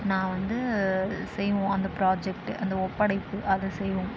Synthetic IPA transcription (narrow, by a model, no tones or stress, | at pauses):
nãːʋɐnd̪ɯsɛjːʋõːɐnd̪ɐpɪɾaːd͡ʒɛk̚ʈɯʔɐnd̪ɐɔpːɐɽɐɪpːɯʔɐðɯsɛjʋõ